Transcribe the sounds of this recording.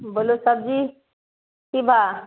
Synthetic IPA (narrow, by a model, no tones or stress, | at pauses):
bolosəb̚d͡ʑi | kibʱa